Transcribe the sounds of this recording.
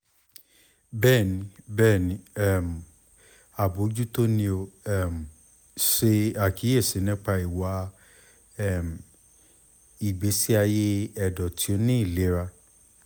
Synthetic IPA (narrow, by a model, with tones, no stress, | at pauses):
bɛː˦˨nĩ˨˧˦bɛː˦˨nĩ˧˦ɛ˦˨m˨ | a˨bo˨˦d͡ʒu˦to˦nĩ˧o˧ɛ˦˨m˨ | ʃe˧a˨ki˨˦e˦˨se˨˦nɛ̃˦k͡pa˧i˨wa˨˦ | ɛ˦˨m˨ | i˨ɡ͡be˨˦si˦a˧je˦ɛ˧˨dɔ˨tʰi˨˦o˧nĩ˦i˦˨le˨˦ɾa˧